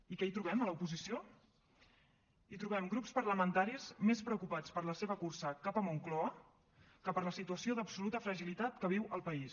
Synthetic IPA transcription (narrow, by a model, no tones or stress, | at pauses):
ikɛit̪ɾuβ̞ɛmələupuzisio | it̪ɾuβɛmɡɾupspərləmənt̪aɾismespɾəukupat͡spəɾləseβəkursəkapəmuŋklɔə | kəpəɾləsit̪uəsioðəpsulut̪əfɾəʒilit̪at̪kəβ̞iwəlˠpəis